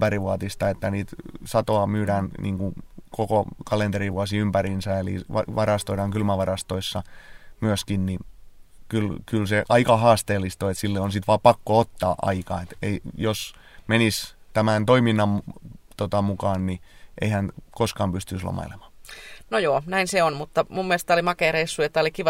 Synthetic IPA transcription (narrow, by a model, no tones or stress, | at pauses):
pæɾiʋuɑt̪ist̪ɑet̪ːæniːt̪sɑt̪oɑmyːɾæːnnḭːŋkukokokɑlent̪eɾiʋuɑsiympærinsæelḭʋɑ̰ʋɑrɑst̪oiɾɑŋkylmæʋɑrɑst̪oisːɑmyøskinnikylkylseʔɑikɑhɑːst̪eːlːist̪oet̪silːeonsit̪ʋɑːpɑkːoot̪ːɑːʔɑ̰ikɑ̰et̪eijos | menist̪æmænt̪oiminːɑmt̪ot̪ɑmukɑːnniʔḛihænkoskɑːmpyst̪yslo̰mɑ̰ilḛmɑ̥ːnojoːnæinseonmut̪ːɑmumːielest̪ːolimɑkeːˑreisːuet̪ːæolikiʋɑ